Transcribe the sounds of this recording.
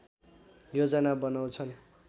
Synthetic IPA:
jod͡zʌnabʌnaw̃t͡sʰʌn

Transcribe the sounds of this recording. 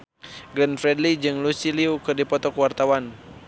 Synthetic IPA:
ɡlɛnfɾɛdlid͡ʒɨŋlusiliukɨrdipɔt̪ɔkuwart̪awan

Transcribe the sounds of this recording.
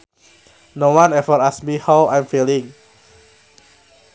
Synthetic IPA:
nowãnɛvəɹasmihawʔãjmfilĩŋ

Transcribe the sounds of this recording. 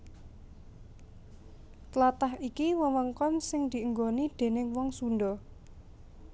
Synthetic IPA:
t̪lat̪aɦikiwəwəŋkɔmsɪŋd̪̥iʔəŋɡonid̪̥e̤nɪŋwɔŋsunɖɔ

